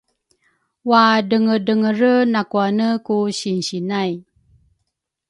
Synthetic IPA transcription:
wadəŋədəŋəɾənakuanəkuɕinɕinaj

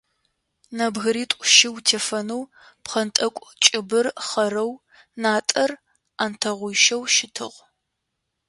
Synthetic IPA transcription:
nɐbɣɨɾiːtʷʼʃɪwtʰeːfɐnuw | pχɐntʼɐkʷʼt͡ʃʼɪbɨrχɐɾɐw | naːtʼɐr | aːntʰɐʁʷʊjʃɐwʃɪtʰɨ̰ʁʷ

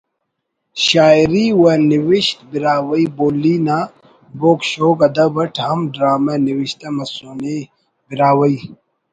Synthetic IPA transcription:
ɕaːjɾiwɐniwiɕt̪biɾaːwɐiboːlːiːnaː | boːkʃoːkɐd̪ɐbɐʈʰɦɐmɖɾaːmɐniwiɕt̪ɐmɐsuːni | biɾaːwɐi

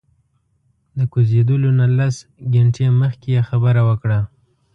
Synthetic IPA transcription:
d̪əkuzed̪əlonalasɡeɳʈeməxkejexabəɾawəkɽa

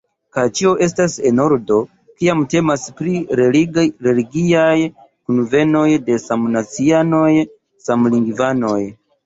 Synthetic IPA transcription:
kajt͡ʃio̞ʔe̞s̬tase̞no̞ɾdo̞ | kiamte̞maspɾi | ɾe̞liɡiaj | kunve̞no̞jde̞samnat͡siano̞j | samliŋɡvano̞j

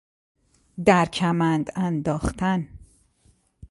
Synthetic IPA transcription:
d̪æɾcʰæmænd̪ænd̪ɒːxt̪ʰæn

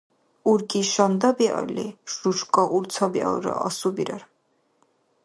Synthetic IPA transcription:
uɾkʼiʃɔnd̪abiɔ̰ɾlḭʃuʃkʼɔʔuɾt̪t͡sʰɔbiɔ̰ɾɔ̰ʔːsubiɾɔɾ

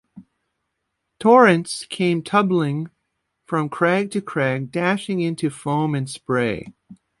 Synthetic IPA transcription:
tʰɔɹɨ̃ntskʰẽɪ̃mtʰʌblɪ̃ŋ | fɹʌ̃mkʰɹ̥æɡ̚tʰɨkʰɹ̥æɡ̚dæʃɪ̃ŋɪ̃ntʰʉfõʊ̃mɨ̃nspɹeɪ

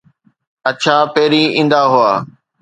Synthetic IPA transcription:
ətʃʰaːpeːɾiːĩːnd̪aːɦʊaː

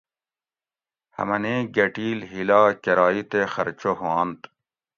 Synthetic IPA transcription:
hɐ̰mɐneːɡɐʈiːlɦilaːkɐɾɑːit̪exɐ̰ɾt͡ɕoɦoãːnt̪

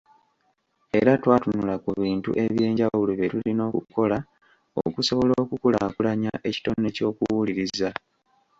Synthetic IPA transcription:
e̞ɾatwaːtunulakuβiːntṵʔe̞βje̞ːɲɟawuluβetulino̞ːkṵko̞la | o̰kuso̞βoloːkukula̰kulaɲa̰ʔe̞ci̥to̞nːe̞co̞ːkuwuliɾiza

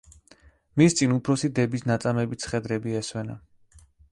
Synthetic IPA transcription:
mist̪sʼinupʰɾɔsid̪ɛbisnat̪sʼamɛbit̪sʰχɛd̪ɾɛbiɛswɛna̰

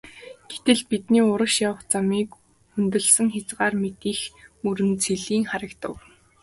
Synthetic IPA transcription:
ɡ̥et̪ɘ̆ɮpit̪niːʊɾə̆kʃjawə̆χt͡samiːk | unt̪ɵ̆ɮsə̆ŋxʲat͡sɢaːrmet̪iːxmɵɾɘ̆nt͡sʰeɮiːŋχaɾə̆kt̪ə̆w

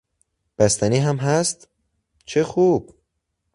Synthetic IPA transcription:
b̥æst̪æniːɦæmɦæst̪ | t͡ʃʰexuːb̥̚

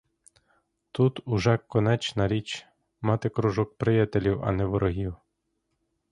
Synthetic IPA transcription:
t̪ut̪uʒɛkːɔnɛt͡ʃnɐɾʲit͡ʃ | mɑt̪ɪkɾɔʒɔk̚pɾɪjɐt̪elʲiwɐ̰nɛʋɔɾɔɦʲiw

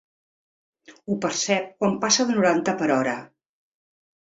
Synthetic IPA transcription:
upəɾsɛp̚kwampasəðənuɾant̪əpəɾɔɾə

